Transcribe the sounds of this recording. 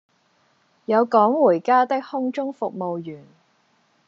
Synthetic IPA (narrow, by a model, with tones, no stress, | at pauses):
jɐ˨˧wkɔː˨˥ŋwuː˨˩jkaː˥t̪ɪ˥k̚hʊ˥ŋt͡ʃʊ˥ŋfʊ˨k̚mo˨wjyː˨˩n